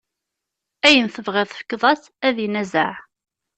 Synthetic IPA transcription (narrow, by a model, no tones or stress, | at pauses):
æjənθəvʁɪðˤfə̥kːðˤɑs | æðinæzə̰ʕ